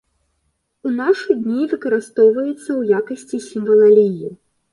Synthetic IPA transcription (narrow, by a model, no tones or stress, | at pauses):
unaʂɨd̪ʲnʲivɨkɐɾɨst̪ɔwvɐjɛt̪sːɐwjakɐsʲt͡sʲisʲimvɐlˠalʲiji